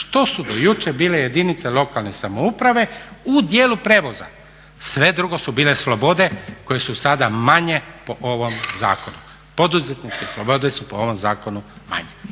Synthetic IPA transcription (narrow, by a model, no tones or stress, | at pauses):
ʃt̪o̞sud̪ojut͡ʃe̞biːle̞je̞d̪init̪selˠo̞kalˠnesamoupɾaʋe̞ud̪jeːlupɾe̞ːʋo̞za̰ | sʋe̞d̪ɾuɡo̞subiːle̞slˠo̞bo̞d̪e̞ko̞je̞susad̪amaɲe̞po̞ʔo̞ʋo̞mza̰ːko̞nu | po̞d̪uze̞t̪nit͡ʃkeslˠobo̞d̪esupoo̞ʋo̞mzaːko̞numa̰ɲe